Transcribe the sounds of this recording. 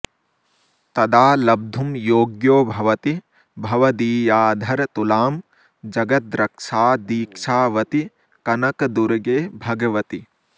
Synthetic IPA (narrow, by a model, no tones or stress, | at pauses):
t̪ɐd̪aːlɐb̚d̪ʱumjoːɡjoːbʱɐʋɐt̪i | bʱɐʋɐd̪iːjaːd̪ʱɐɾt̪ulaːm | d͡ʒɐɡɐt̪̚d̪ɾɐkʂaːd̪iːkʂaːʋɐt̪i | kɐnɐkd̪uɾɡeːbʱɐɡɐʋɐt̪i